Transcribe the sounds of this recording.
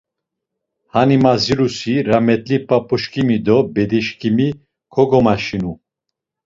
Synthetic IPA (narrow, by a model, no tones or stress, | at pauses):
hanimaziɾusiɾamɛt̪ʼlipʼapʼuʃkʰʼimid̪ɔbɛd̪iʃkʰʼimi | kʰɔɡɔmaʃinu